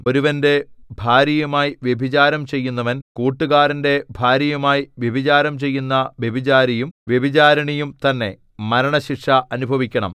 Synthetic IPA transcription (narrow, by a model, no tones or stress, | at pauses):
o̞ɾuʋɐnde̞bʱaːɾɐjɐmaːjiʋjebʱit͡ɕaːɾɐmt͡ɕe̞jːunːɐʋɐnkuːʈːuɣaːɾɐnde̞bʱaːɾɐjɐmaːjiʋjebʱit͡ɕaːɾɐmt͡ɕe̞jːunːɐʋjebʱit͡ɕaːɾɐjumʋjebʱit͡ɕaːɾɐɳijumt̪ɐnːe̞̰ | mɐɾɐɳɐɕikʂɐʔɐnubʱɐʋikʲːɐɳɐ̰m